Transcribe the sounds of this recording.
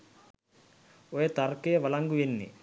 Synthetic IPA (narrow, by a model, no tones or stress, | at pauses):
ojet̪ɐrkejʋɐlɐŋɡuʋenːḭ